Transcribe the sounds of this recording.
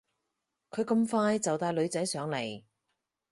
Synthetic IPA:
kʰɵ˨˧ɥkɐ˧mfaː˧jt͡sɐ˨wt̪aː˨˧jlɵ˨˧ɥt͡sɐ˨˥jsœː˨˥ŋle˨˩j

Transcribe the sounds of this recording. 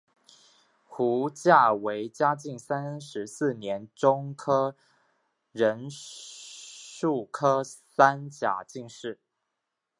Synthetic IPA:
xu˧˥t͡ɕja˥˩we˧˥ɪt͡ɕja˥t͡ɕi˥˩ŋsa˥nʂɻ̩˧˦s̩˥˩njɛ˧˦˥nʈ͡ʂo˥ŋkʰɤ˥ | ɻə˧˥n | ʂu˥˩kʰɤ˥sa˥nt͡ɕja̰˨˩t͡ɕi˥˧ŋʂɻ̩˥˩

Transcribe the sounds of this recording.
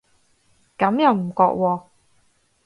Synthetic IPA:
kɐ˨˥mjɐ˨wm̩˨˩kɔː˧k̚wɔː˧

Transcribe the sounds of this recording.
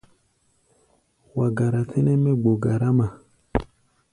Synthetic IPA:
wa˨ɡa˨ɾa˨tʰe˦nɛ˦mɛ˦ɡ͡bo˨ɡa˨ɾa˦ma˨

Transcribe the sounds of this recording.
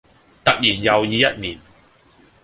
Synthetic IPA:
t̪ɐ˨k̚jiː˨˩njɐ˨wjiː˨˧jɐ˥t̚miː˨˩n

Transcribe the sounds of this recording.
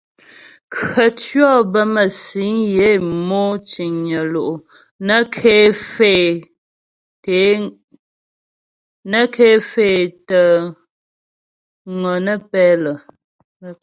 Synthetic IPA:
kɰə˨tɥɔ˦˨bə˦mə˨si˨˦ŋje˦˨mo˦t͡ʃi˨ŋɲə˨lo˨ʔo˨ | nə˦kʰe˦fe˦˨ | te˨˦ | nə˦kʰe˦fe˦˨tə˨ | ŋə˨nə˦pɛ˦lə˨

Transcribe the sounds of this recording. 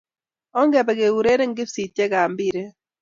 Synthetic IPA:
ɔ˦ŋɡɛ˨bɛ˨ɣe˨wu˨ɾe˦ɾe˦ŋ˦ɡɪ˦si˨te˦ɣaː˨mbi˦˨ɾe˦

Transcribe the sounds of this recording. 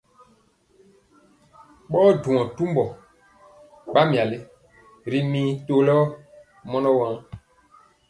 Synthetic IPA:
ɓɔː˦du˨mɔ̃˨tu˦mbɔ˨ | ɡ͡ba˦m˨a˨li˦ | ɾi˦mĩː˦to˨lɔ˦ | mɔ˦nɔ˦wã˦ŋ

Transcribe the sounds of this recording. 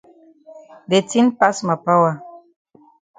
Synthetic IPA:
de˨ti˦npa˦sma˨pa˦wa˨

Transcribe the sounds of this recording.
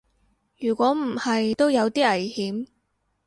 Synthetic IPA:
jyː˨˩kʷɔː˨˥m̩˨˩hɐ˨jt̪o˥wjɐ˨˧wt̪iː˥ɐ˨˩jhiː˨˥m

